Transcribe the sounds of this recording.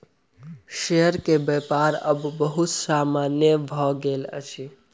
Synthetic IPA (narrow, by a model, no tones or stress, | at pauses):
ʃejəɾkebepaɾəbːəɦut̪samanjəbʱɔɡelə̰t͡ʃʰi